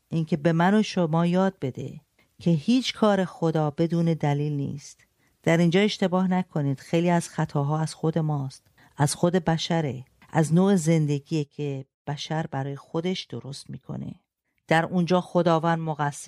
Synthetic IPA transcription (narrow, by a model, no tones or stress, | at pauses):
ʔincʰe̞be̞mænoʃomɒːjɒːd̪̚be̞d̪ḛ | cʰe̞hiːt͡ʃʰkʰɒːɾe̞xo̞d̪ɒːbe̞d̪uːne̞d̪æliːlnḭːst̪ | d̪̥æɾind͡ʒɒːe̞ʃt̪e̞bɒːhnækʰo̞niːd̪̥xejliːæz̥xæt̪ʰɒːɦɒːæz̥xo̞d̪e̞mɒːst̪ | ʔæz̥xo̞d̪e̞bæʃæɾe | ʔæznoːeze̞nd̪e̞ɡiːjecʰeb̥æʃæɾbæɾɒːjexod̪e̞ʃd̪̥oɾo̞st̪miːkʰo̞̰ne̞̰ | d̪̥æɾund͡ʒɒːxo̞d̪ɒːvæːnd̪moɣæsː